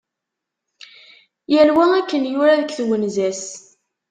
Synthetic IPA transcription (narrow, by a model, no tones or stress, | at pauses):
jælwæækːənjʊɾaðəkθwənzæs